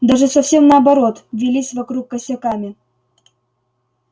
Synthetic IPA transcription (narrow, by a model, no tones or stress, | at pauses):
d̪aʒəsɐfsʲemnɐːbɐɾot̪vʲilʲisʲvakɾukːasʲakamʲi